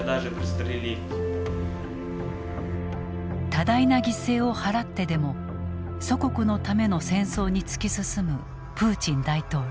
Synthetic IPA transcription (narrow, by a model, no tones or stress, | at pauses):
d̪aʒɨpɾist̪ɾilʲit | t̪ad̪ainaɡʲise̞ːo̞haɾat̪ːe̞d̪e̞mo̞ | so̞ko̞kɯ̟no̞t̪ame̞no̞sẽ̞ɰ̃so̞ːɲ̟it͡sɨ̥kʲisɨsɨmɯ̟ | pɯ̟ːt͡ɕĩnd̪ait̪o̞ː